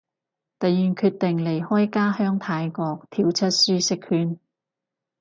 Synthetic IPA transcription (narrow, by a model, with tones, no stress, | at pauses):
t̪ɐ˨jːyː˨˩nkʰyː˧t̚t̪ɪ˨ŋle˨˩jhɔː˥jkaː˥hœː˥ŋt̪ʰaː˨˧jkɔː˧k̚t̪ʰiː˧wt͡sʰɐ˥t̚syː˥sɪ˥k̚hyː˨˧n